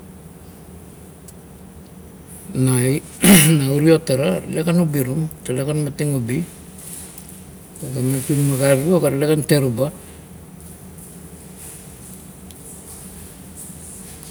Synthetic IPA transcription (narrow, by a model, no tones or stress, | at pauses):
najnauɾiotaɾalekanubiɾumtalekanmatiŋubi | okametunmaɡaɾuokaɾlekanteɾuba